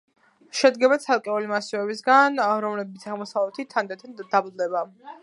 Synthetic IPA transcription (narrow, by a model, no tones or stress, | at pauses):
ʃɛd̪ɡɛbat̪sʰalˠkʼɛulimasivɛbisɡanɾɔmlɛbit̪sʰaʁmɔsavlɛt̪ʰit̪ʰand̪at̪ʰad̪ablˠd̪ɛba